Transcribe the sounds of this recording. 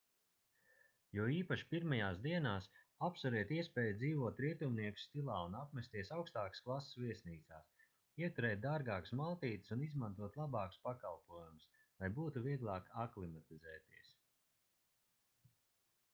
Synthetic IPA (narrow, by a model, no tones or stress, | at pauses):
juɔiːpaʃpiɾmajaːsd̪iɛnaːs | apsuɾiɛt̪iɛspɛːjd̪ziːvuɔt̪ɾiɛt̪umniɛku̥st̪ilˠaːunapmɛst̪iɛsawkst̪aːksklˠassviɛsniːt̪saːs | iɛt̪uɾɛːt̪̚d̪aːɾɡaːku̥smalˠt̪iːt̪ɪ̥sunizmãnt̪uɔt̪lˠabɑːku̥spakalˠpuɔjumʊs | lˠajbuːt̪uviɛɡlˠaːkaklˠimat̪izɛːt̪iɛs